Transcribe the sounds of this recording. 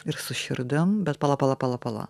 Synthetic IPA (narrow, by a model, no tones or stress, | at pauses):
iɾsuɕɤ̆ɾd̪ɤmbæt̪̚pɑlˠɑpɑlˠɑpɑlˠɑpɑlˠɑ̰